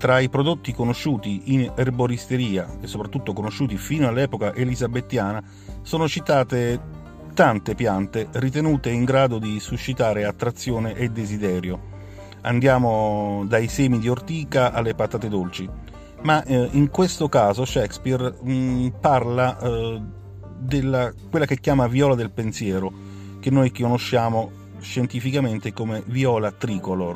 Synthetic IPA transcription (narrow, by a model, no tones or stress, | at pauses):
t̪ɾaipɾod̪ot̪ːikonoʃːuːt̪iinɛrboɾist̪eɾiːakesːopɾat̪ːut̪ːokonoʃːuːt̪ifiːnoalːɛːpokaʔelizabet̪ːjaːna | soːnot͡ʃit̪aːt̪e | t̪ant̪epjant̪erit̪̬enuːt̪eiŋɡɾaːd̪od̪isuʃːit̪aːɾeat̪ːɾat̪sːjoːneʔed̪ːezid̪ɛːɾjo | and̪jaːmod̪ajsɛːmid̪iort̪iːkaʔalːepat̪aːt̪ed̪olt͡ʃi | maʔiŋkwest̪okaːzoʃɛkspir | parla | d̪elːakwelːakekːjaːmaviɔːlad̪elpensjɛːɾo | k̟enːojkonoʃːaːmo | ʃent̪ifikament̪ekomeviɔːlat̪ɾiːkolor